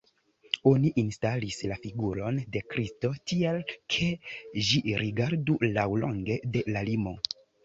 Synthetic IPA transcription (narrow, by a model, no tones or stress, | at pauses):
o̞niʔinstalislafiɡuɾo̞nde̞kɾisto̞tialkʰe̞ʒiɾiɡaɾdulawloŋɡe̞de̞lalimo̞